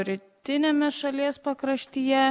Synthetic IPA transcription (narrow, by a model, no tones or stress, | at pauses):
ɾʲɪt̪ʲɪnʲeːmʲɛʃɐlʲiɛspɐkɾɐʃʲt̪ʲiːjɛ